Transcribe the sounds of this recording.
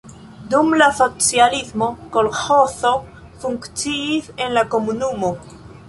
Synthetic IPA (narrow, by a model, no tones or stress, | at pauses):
d̪umlasot͡sjalizmokolxoθo | fuŋkt͡siːse̞nlakomunumo